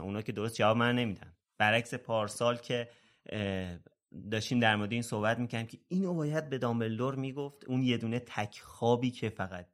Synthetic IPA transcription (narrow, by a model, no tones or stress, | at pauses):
unɒːkcʰe̞d̪oɾost̪̚d͡ʒævɒːbmænːe̞miːd̪æ̰n | b̥æɾæcse̞pʰɒːɾsɒːlcʰe̞ | d̪ɒːʃt̪iːmd̪æɾmoɾd̪eiːnso̞hbæt̪miːcʰæɾd̪imcʰeiːnobɒːjæd̪̚be̞d̪ɒmeld̪oɾmiːɡoft̪unje̞d̪uːne̞t̪ʰæcʰxɒːbiːcʰe̞fæɣæt̪̚